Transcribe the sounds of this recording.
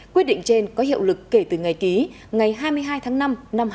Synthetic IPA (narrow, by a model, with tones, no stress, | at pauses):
kwi˦˥ət̚ɗḭ˧˨ŋt͡ɕe˧nkɔ˨˦ɦḭ˧˨əwlɨ˨˩kːe˧˩t̪ɨ˨˩ŋa˨˩jki˨˦ | ŋa˨˩jɦaː˧jmɨ˧əjɦaː˧jt̪ʰaː˨˦ŋna˧mna˧m